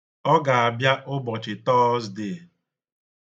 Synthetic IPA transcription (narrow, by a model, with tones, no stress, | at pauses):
ɔ˦ɡa˨a˨bja˦ʔʊ˦bɔ˨t͡ʃɪ˨tɔː˦zde˨